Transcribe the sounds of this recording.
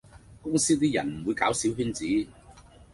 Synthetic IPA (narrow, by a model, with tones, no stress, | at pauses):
kʊ˥ŋsiː˥t̪iː˥jɐ̰˨˩nm̩˨˩wuː˨˧jkaː˨˥wsiː˨˥wpiː˥nt͡siː˨˥